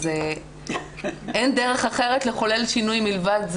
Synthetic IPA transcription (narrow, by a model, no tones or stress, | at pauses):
ze | ʔendeʁeχaχe̞ʁet̪le̞χo̞le̞lʃinujmilvadz